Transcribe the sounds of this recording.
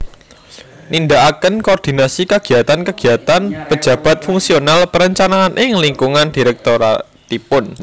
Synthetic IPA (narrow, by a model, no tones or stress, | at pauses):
nind̪aʔakənkoːrd̪̥i̤nasikaɡ̥i̤at̪ankəɡ̥i̤at̪anpə̥d͡ʒ̥ä̤b̥a̤t̪̚fuŋsionalpəɾəɲt͡ʃanaːnʔɪŋliŋkuŋand̥i̤ɾɛk̚t̪oɾa̰ | t̪ipʊn